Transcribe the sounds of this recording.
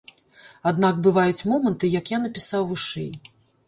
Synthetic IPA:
ad̪nakbɨvajut͡sʲmɔmɐnt̪ɨjɐkjanɐpʲisawvɨʂɛ̰j

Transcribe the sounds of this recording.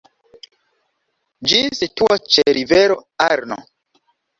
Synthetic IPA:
d͡ʒisituat͡ʃeɾʔiveɾoaɾno̰

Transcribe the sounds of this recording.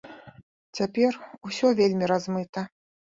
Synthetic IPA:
t͡sʲapʲɛrusʲɔvʲelʲmʲiɾazmɨt̪ɐ

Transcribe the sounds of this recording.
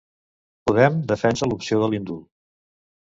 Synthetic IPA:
puðɛmd̪əfɛnsəlupsioðəlind̪ulˠ

